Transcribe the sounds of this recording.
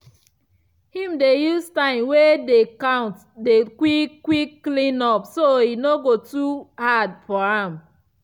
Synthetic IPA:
hĩmdejustãɪ̃mwedekãʊ̃nt | dekwikːwikːlĩnɔpsoinoɡotuhadfɔɹãm

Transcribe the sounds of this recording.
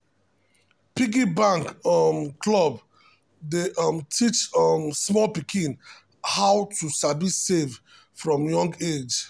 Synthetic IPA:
piɡibãŋkmklɔb | deʔmtʰit͡ʃmsmɔlpikʰĩn | hawtusabissev | fɹɔ̃mjɔ̃ŋɡed͡ʒ

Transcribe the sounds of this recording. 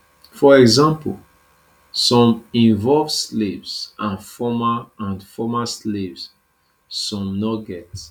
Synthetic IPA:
fɔɛɡzãmpl | sɔ̃mĩnvɔlvslevsãnfɔmaãnfɔmaslevz | sɔ̃mnɔɡɛt

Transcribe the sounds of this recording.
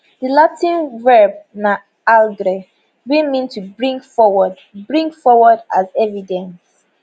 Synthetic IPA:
dəlatĩnvɛbna | alɡɾe | wimĩntʰuɹĩŋɔwd | bɹĩŋɡfɔwɔdazɛvidɛ̃ns

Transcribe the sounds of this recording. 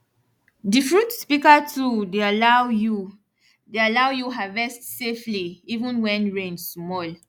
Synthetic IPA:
difɹutspikatʰudealaju | dealawjuɦavɛstsefliivũnwɛ̃nɹẽnsmɔl

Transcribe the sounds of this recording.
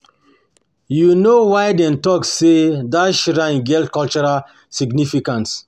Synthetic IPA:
junowajdɛ̃ntɔksedaʃɹãnɡɛltkɔlt͡ʃɔɹal | siɡnifikãnts

